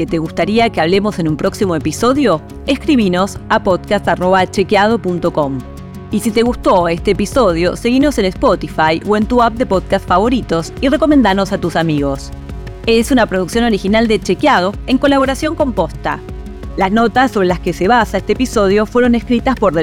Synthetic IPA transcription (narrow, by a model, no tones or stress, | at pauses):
ket̪eɣust̪aɾiakeaβle̞mo̞se̞nũmpɾo̞ksimo̞episo̞ðjo̞ | eskɾiβino̞sapo̞ðkast̪aro̞βat͡ʃekjað̞o̞punt̪o̞ko̞m | isit̪e̞ɣust̪o̞e̞st̪eːpiso̞ð̞jo̞̰se̞ɣino̞senespot̪ifajʔoe̞nt̪uap̚d̪e̞po̞ðkast̪faβo̞ɾit̪o̞sire̞ko̞mend̪ano̞sat̪usamiɣo̞s | esunapɾoð̞uksjono̞ɾixinald̪et͡ʃekjað̞oe̞ŋko̞laβ̞o̞ɾasjo̞ŋko̞mpo̞st̪a̰ | lazno̞t̪asːo̞βɾelaske̞se̞β̞asaest̪eepiso̞ð̞jo̞fwe̞ɾo̞ne̞skɾit̪aspo̞ɾðe